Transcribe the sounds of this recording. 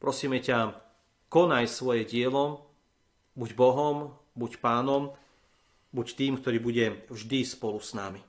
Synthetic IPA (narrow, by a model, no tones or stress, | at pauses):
pɾɔsiːmɛca | kɔnajsʋɔjɛɟɪɛlɔ | buɟbɔɦɔm | bucpaːnɔm | buct̪iːmk̚t̪ɔɾiːbuɟɛvʒd̪ispɔlusna̰mi